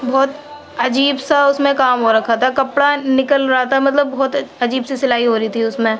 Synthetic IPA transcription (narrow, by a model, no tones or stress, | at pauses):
bɔːt̪ | ɐd͡ʒiːbsaʊsmẽkaːmɦoɾɐkʰat̪ʰakɐpɽanɪkəlɾɐɦat̪amɐt̪ləbːɔːt̪ɐd͡ʒiːbsesɪlaːiɦoːɾɐit̪ʰiʊsmẽː